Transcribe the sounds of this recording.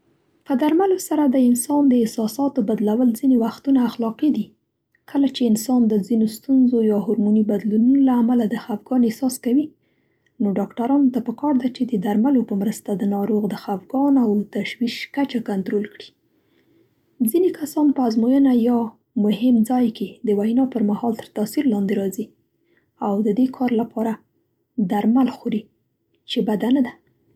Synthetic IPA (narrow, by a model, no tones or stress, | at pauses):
pəd̪aɾmalosaɾad̪əɪnsɑnd̪əɪsɑsɑt̪obad̪lawəlzinewaxt̪unaːxlɑqid̪i | kʰəlat͡ʃeɪnsɑnd̪əzinost̪unzojɑɦʊɾmunibad̪lununolaːmalad̪əxafɡɑnesɑskawi | noɖɑkʈaɾɑnot̪apəkɑɾd̪at͡ʃed̪əd̪aɾmalopəmɾəst̪ad̪ənɑɾoɣd̪əxafɡɑnawt̪aʃwiʃkat͡ʃakant̪ɾolkɽi̥ | zinekasɑnpəazmojənajɑ | mʊhɪmd͡zɑjked̪əwajnɑpəɾmahɑlt̪əɾt̪asiɾlɑnd̪eɾɑzi | awd̪əd̪ekʰɑɾlapʰɑɾa | d̪aɾmalxoɾi | t͡ʃebad̪anad̪a